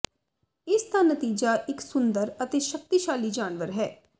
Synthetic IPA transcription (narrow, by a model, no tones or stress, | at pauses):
ɪsd̪aːnət̪iːd͡ʒaːʔɪksʊnd̪əɾət̪eːʃək̚t̪iːʃaːliːd͡ʒaːnʋəɾɦɛː